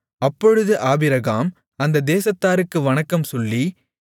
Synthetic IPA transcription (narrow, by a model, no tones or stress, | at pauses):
ɐpːɔɻɯðɯʔaːbɪɾɐɣaːm | ɐnd̪ɐd̪eːsɐt̪ːaːɾɯkːɯʋɐɳɐkːɐmsɔlːi